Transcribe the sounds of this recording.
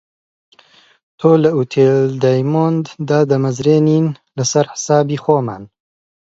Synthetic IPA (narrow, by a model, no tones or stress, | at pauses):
t̪ʰoːlɐut̪ʰeːld̪ajmoːnd̪d̪aːd̪ɐmɐzɾeːniːn | lɐsɐɾħɪ̥saːbiːxoːma̰ːn